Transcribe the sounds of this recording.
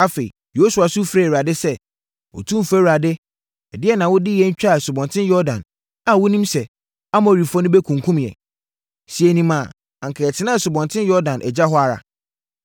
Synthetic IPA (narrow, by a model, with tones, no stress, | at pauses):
a˦fe˨ḭ˨ | jo˦su˨a˨sʊ˦fɾɛ˦˨ɾa˨dɪ˦sɛ˦ | ɔ̰˨tʰũ˦˨fɛ˦wa˨dɪ˦ | ɛ˨dɪ˦ɛ˦nã˨wʊ˦dɪ˦jɛ˦ɲ̩˦t͡ɕᶣa˦˨sʊ˨bɔ̃˨ntʰɪ̃˦n˦jɔ˦dã̰˨n | a˨wʊ˦nĩ˦msɛ˨ | a˦mã˨ɾi˨fɔ˦nʊ̃˦bɛ˦kʰũ˨ŋ˨kʰũ˦mjɛ̰˨ | si˨e˨nĩ˨mã˨ | ã˨ŋ̩˨kʰɛ˨ɛ˨tʰɪ˦nã˦ɛ˨sʊ˨bɔ̃˨ntʰɪ̃˦njɔ˦ɾdã˨nʔɛ̰˨d͡ʑa˦ɦɔ˦a˨ɾa̰˨